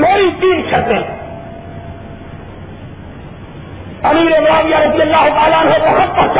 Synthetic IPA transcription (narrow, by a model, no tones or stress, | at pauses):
noːit̪iːnt͡ʃʰɐɾt̪ẽː | ɐmiːɾeːmɾaːʋɪjaːɾɐd̪ɪjəlːaːɦʊt̪aːlaːənɦot̪ɐɦɐst̪at͡ʃ